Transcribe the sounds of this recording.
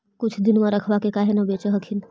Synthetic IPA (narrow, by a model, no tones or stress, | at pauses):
kʊt͡ʃʰd̪ɪnmãɾɐkʰʋakekaːɦenɐbeːt͡ʃəɦəkʰin